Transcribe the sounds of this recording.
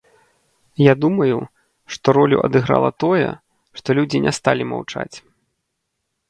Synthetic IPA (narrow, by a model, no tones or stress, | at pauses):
jad̪umɐju | ʂt̪ɔɾɔlʲṵʔɐ̰d̪ɨɣɾa̰lˠɐt̪ɔjɛ̰ | ʂt̪ɔlʲud͡zʲinʲʔɛst̪alʲima̰wt͡ʂa̰t͡sʲ